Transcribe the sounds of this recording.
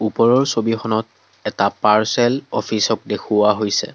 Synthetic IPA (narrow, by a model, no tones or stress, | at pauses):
upɔɹɔɹsobixɔnɔt | ɛtapaɹsɛlɔ̰fʰisɔk̚dekʰuwaɦojsɛ̰